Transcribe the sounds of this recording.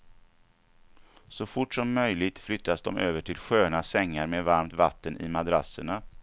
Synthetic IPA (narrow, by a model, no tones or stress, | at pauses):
sɔfʊʈʂɔmːœjlɪɡ̚t̪flʏt̪ːasd̪ɔmøːvəʈʰɪlɧøːnasɛŋːaɾmeːvaɾmt̪vat̪ːənʔɪ̰mad̪ɾasːəɳa